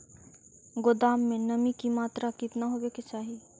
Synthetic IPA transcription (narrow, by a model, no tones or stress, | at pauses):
ɡod̪aːmːẽnəmikimaːt̪ɾakɪt̪naɦobeket͡ʃaːɦi